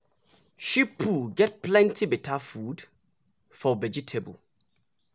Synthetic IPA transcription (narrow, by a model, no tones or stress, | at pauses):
ʃipʰuɡɛt̚plɛ̃ntʰibitʰafud | fɔvɛd͡ʒitʰebə̰l